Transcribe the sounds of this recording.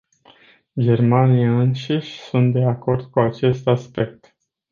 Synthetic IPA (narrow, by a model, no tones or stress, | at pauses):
d͡ʒe̞rmanijaɨnʃiʃʲsunt̪̚d̪e̞ako̞rd̪̥̚kuat͡ʃe̞st̪aspe̞k̚t̪